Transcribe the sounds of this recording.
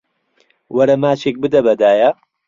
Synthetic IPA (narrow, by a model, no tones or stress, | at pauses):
wɐɾɐmaːt͡ʃeːk̚bɨd̪ɐbɐd̪aːjɐ